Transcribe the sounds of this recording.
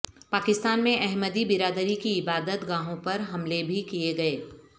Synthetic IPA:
paːkɪst̪aːnmẽʔɛɦməd̪ibɪɾaːd̪əɾikiɪbaːd̪ət̪ɡãːɦõpɐɾɦɐmlebʱikieɡɐeː

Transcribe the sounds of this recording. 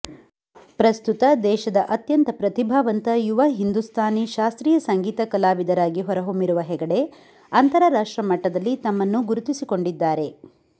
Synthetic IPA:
pɾɐst̪ut̪ɐd̪ɛːʃɐd̪ɐʔɐt̪jɐnt̪ɐpɾɐt̪ibʱaːʋɐnt̪ɐjuʋɐɦind̪ust̪ʰaːniʃaːst̪ɾiːjɐsɐŋɡiːt̪ɐkɐlaːʋid̪ɐɾaːɡiɦɔɾɐɦomiɾuʋɐɦɛɡɐɽe̞ | ɐnt̪ɐɾɐɾaːʂʈɾɐmɐʈːɐd̪ɐlːit̪ɐmːɐnːuɡuɾut̪isiko̞ɳɖid̪ːaːɾe̞

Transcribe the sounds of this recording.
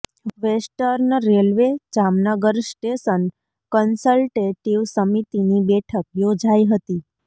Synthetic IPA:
ʋesʈəɾnəɾelʋed͡ʒamnəɡəɾsʈesən | kənsəlʈeʈiʋsəmit̪inibɛʈʰək̚jod͡ʒaiɦət̪i

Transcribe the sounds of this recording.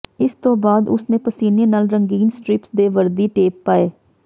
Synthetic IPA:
ɪst̪õːbaːd̪ʊsnẽːpəsiːneːnaːlɾəŋɡiːnsʈɾɪpsd̪eːʋəɾd̪iːʈeːpːaːeː

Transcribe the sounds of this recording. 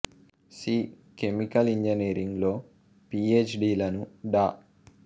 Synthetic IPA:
siː | kemikɐliɲd͡ʒɐniːɾiŋɡlo̞ː | piːeːt͡ʃɖiːlɐnuɖaː

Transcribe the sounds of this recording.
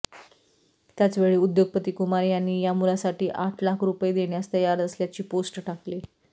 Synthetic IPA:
t̪jat͡sʋeɭiːud̪joɡ̚pət̪iːkumaɾjanːiːjamulasaʈiːʔaʈʰlakʰɾupjed̪eɽ̃jast̪əjaɾəsljat͡ɕiːposʈʈakli

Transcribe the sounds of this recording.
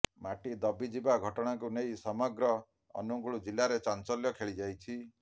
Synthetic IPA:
maʈid̪ɔbid͡ʒibaɡʱɔʈɔɽ̃akunejsɔmɔɡɾɔ̰ː | nuɡuɭud͡ʒilaɾet͡ʃant͡ʃɔljɔkʰeɭid͡ʒajt͡ʃʰi

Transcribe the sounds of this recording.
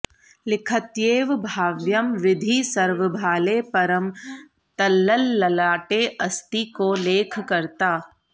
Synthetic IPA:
lɪkʰət̪jeːʋbʱaːʋjəmʋɪd̪ʱisɐɾʋəbʱaːlepɐɾəm | t̪ɐlːəlːɐlaːʈeɐst̪ikoleːkʰkɐɾt̪aː

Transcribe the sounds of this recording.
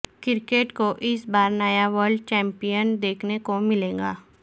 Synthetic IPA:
kɪɾkeːʈkoʔɪsbaːɾnəjaʋəɾɖt͡ʃɛ̃ːmpijənd̪eːkʰnekomɪlẽːɡa̰ː

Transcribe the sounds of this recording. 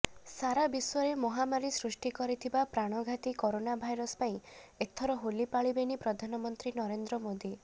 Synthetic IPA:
saɾabisɔɾemɔɦamaɾisɾusʈikɔɾit̪ʰibapɾaɽ̃ɔɡʱat̪ikoɾonabʱajɾɔspaĩet̪ʰːɔɾɔɦolipaɭibenipɾɔd̪ʱanɔmɔnt̪ɾinɔɾend̪ɾɔmod̪i

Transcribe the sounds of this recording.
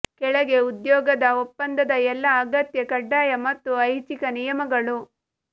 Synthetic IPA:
kɛɭɐɡe̞ud̪jɔːɡɐd̪ɐopːɐnd̪ɐd̪ɐɛlːɐːɡɐt̪jɐkɐɖːaːjɐmɐt̪ːuɐjt͡ʃikɐnijɐmɐɡɐɭu

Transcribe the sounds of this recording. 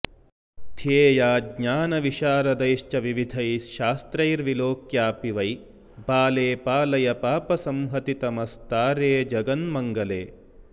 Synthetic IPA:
t̪ʰeːjaːɡɲaːnɐʋiʃaːɾɐd̪ɐjʃt͡ʃɐʋiʋid̪ʱɐjʃaːst̪ɾɐjɾʋiloːkjaːpiʋɐj | baːleːpaːlɐjɐpaːpɐsɐmɦɐt̪it̪ɐmɐst̪aːɾeːd͡ʒɐɡɐnmɐŋɡɐleː

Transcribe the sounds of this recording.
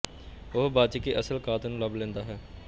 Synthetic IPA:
ʊɦbaːt͡ʃəkiːʔəsəlkaːt̪nũːləblẽːnd̪aːɦɛː

